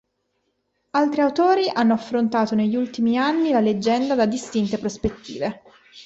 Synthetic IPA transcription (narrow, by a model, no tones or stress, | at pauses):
alt̪ɾiawt̪oːɾiʔanːoafːɾont̪aːt̪oneʎːult̪imianːilaled͡ʒːɛnd̪ad̪ad̪ist̪int̪epɾospet̪ːḭːve